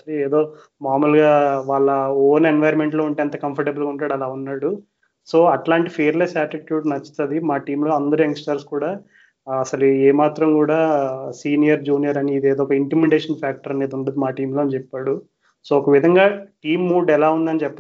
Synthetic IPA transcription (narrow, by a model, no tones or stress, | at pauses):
ɐeːd̪o̞ː | naːɾmɐlɡaːʋaːɭːɐoːnenʋɐjɾme̞ɳʈlo̞ːuɳʈeːɐnt̪ɐkɐmpʰɐɾʈebɐlɡauɳʈaːɽɐlaːunːaːɽu | so̞ːɐʈlaːɳʈipʰeːɾlesaːɾʈiʈjuːɖnɐt͡ʃːi̥t̪ɐd̪imaːʈiːmlo̞ːɐnd̪ɐɾueŋksʈɐɾskuːɽaː | ɐsɐlueːmaːt̪ɾɐmkuːɽaːsiːnijɐɾd͡ʒuːnijɐɾɐniːd̪ieːd̪oːɔkɐimplimeɖeːʂɐnpʰaːk̚ʈɐɾɐneːd̪uɳɖɐd̪imaːʈiːmlo̞ːɐnit͡ʃɛpːaːɽu | soːɔkɐʋid̪ʱɐŋɡaːʈiːmːuːɖɛlaːund̪ɐnit͡ʃɛpːɐ